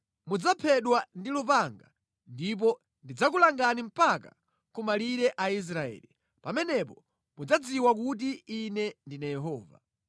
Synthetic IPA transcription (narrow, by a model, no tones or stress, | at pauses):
mud͡zapʰɛɗwandilupaŋɡa | ndip̬ɔ | ndid͡zakulaŋɡanim̩paka̰ | kumaliɾɛʔais̬ɾaɛ̰ːli | pamɛnɛp̬ɔ | mud͡zad͡ziwakut̬iːnɛndinajɛɦɔːva̰